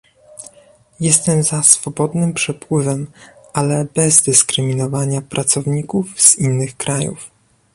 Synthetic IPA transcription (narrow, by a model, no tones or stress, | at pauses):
jɛst̪ɛmzasfɔbɔd̪nɘmpʂɛpwɘvɛmʔalɛbɛzd̪ɘskɾɘmʲinɔvaɲapɾʔat̪sɔvɲikuvz̥inːɘxkɾajṵf